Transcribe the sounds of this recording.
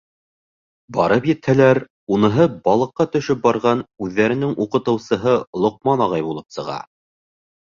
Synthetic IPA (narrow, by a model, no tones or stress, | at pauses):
bɑɾɤpjɘ̆t̪hælæɾ | unɤ̆ɦɤbɑlˠɤ̆qːɑt̪ɵ̆ʃɵp̚bɑɾʁɑnʉðːæɾɘ̆nɘŋʔuqɤ̆t̪ɤ̆wsɤ̆ɦɤlˠŏq̚mɑnɑʁɑjbulˠɤpsɤ̆ʁɑ̰